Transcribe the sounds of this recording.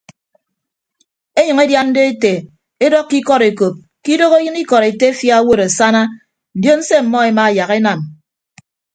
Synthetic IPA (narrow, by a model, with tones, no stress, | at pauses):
e˦ɲʌ˨ŋe˦dja˦n̩˦de˦e˦te˨ | e˦dɔ˦kːi˦kɔ˦ɾe˨ko˨p̚ | ki˦do˦ɣo˦jɨ˦ni˦kɔ˨ɾe˨te˦e˦fja˦wo˦ɾa˨sa˦na˦ | n̩˨djo˦n̩˦se˦m̩˨mɔ˦e˨ma˨ja˨ɣe˦na˨m